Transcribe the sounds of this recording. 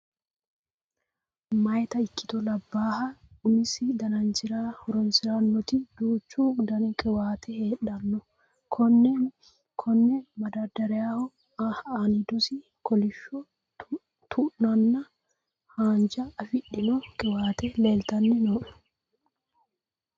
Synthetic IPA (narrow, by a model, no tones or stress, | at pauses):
mɐjt̪ɐɪkːɪ̥t̪ɔlɐbːaːhɐʊnɪsɪd̪ɐnɐnt͡ʃɪɾaːhɔɾɔnsɪɾɐnːɔt̪ɪd̪̥uːt͡ʃːuɡd̪ɐnkʼɪwaːt̪ʰɛheːᶑɐnːɔ | kʰɔnɛ | kʰɔnːɛmɐd̪ɐd̪ɐɾɛjaːhɔ | haːnɪd̪ʊsɪ | kɔlɪʃːɔ | t̪ʰuʔnɐnːɐ | haːnd͡ʒɐːfɪɗɪnɔkʼɪwaːt̪ɛleːlt̪ɐnːɛnoːʔɔ̥